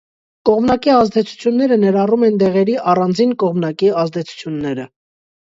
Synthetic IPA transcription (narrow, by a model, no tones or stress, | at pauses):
kɔʁmnɑkiɑzd̪ɛt͡sʰu̥t͡sʰjunːɛɾənɛɾɑrumɛnt̪ɛʁɛɾiʔɑrɑnd͡zinkɔʁmnɑkiɑzd̪ɛt͡sʰu̥t͡sʰjunːɛɾə